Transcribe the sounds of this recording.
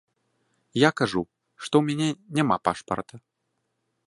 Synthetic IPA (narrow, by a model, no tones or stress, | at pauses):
jakaʐu | ʂt̪ɔwmʲanʲɛnʲamapa̰ʂpɐ̰rt̪ɐ